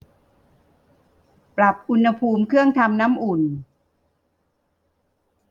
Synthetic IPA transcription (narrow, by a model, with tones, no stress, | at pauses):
pɾa˨˩p̚ʔu˧nha˧pʰuː˧mkʰɯ˥˩əŋt̪ʰa˧mna˦˥mʔu˨˩n